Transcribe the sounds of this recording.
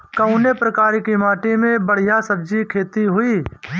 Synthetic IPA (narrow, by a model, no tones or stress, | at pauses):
kəʊnepɾəkaːɾekimaːʈimẽbəɽ̤ɪjasəbd͡ʒikʰeːt̪iɦʊiː